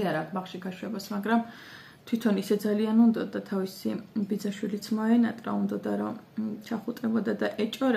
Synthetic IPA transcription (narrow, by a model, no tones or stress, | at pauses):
aɾakbaχʃiɡaʃwɛbasmaɡɾam | t̪ʰwit̪ʰɔnisɛd̪zalianund̪ɔd̪at̪ʰavisibid̪zaʃwilit̪sʰmɔɛnat̪ʼɾa̰und̪ɔd̪aɾɔt͡ʃʰaχut̪ʼɛbɔd̪ad̪aʔɛt͡ʃʼɔɾ